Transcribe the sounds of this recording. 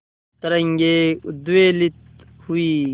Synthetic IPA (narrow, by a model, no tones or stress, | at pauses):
t̪ɐɾɐŋɡeːd̪uweːlit̪̚ | huiː